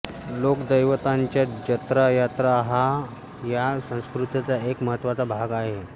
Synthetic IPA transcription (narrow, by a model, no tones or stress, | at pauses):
lokd̪əjʋət̪aɲt͡ɕjad͡ʑət̪ɾajat̪ɾaɦa | jasə̃w̃skɾut̪at͡saekməɦət̪ːʋat͡sabʱaɡaɦe